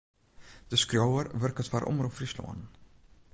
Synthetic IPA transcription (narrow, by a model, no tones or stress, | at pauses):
d̥̪əskrowəɾvərkət̪faɾʔɔ̰mɾufɾislɔ̰ːn